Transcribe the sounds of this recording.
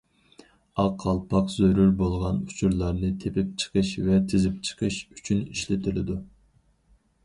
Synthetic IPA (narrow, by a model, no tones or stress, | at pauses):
ɑqʰːɑlˠpʰɑqzøɾyɾbolˠʁɑnut͡ʃʰuɾlˠɑɾnɨt̪ʰepɪp̚t͡ʃʰə̥qʰəʃvɛt̪ʰɪzɪp̚t͡ʃʰə̥qʰəʃyt͡ʃʰyniʃlɪt̪ʰɪlɪd̪u